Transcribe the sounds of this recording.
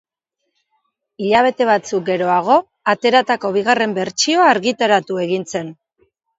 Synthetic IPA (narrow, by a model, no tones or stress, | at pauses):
iʎaβ̞e̞t̪e̞βat͡suk̚ɡe̞ɾo̞aɣ̞o̞ | at̪e̞ɾat̪ako̞β̞iɣ̞are̞mbe̞ɾt͡ʃio̞aːɾɣit̪aɾat̪ue̞ɣint͡se̞n